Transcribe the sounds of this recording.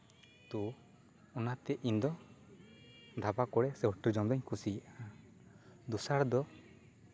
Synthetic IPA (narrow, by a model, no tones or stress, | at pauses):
t̪u | ɔnat̪ɛʔind̪ɔ | d̪ʱabakɔɽɛsɛbʈiɾd͡ʒɔmd̪ɔɲkʰusiaʔaa | d̪usaɽd̪ɔ